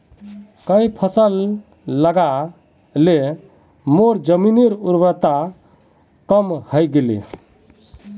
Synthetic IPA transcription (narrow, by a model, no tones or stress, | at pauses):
kəjpʰəsəlː | əɡa | le | moɾd͡ʒəminiɾuɾbət̪a | kəmhəjɡelḭ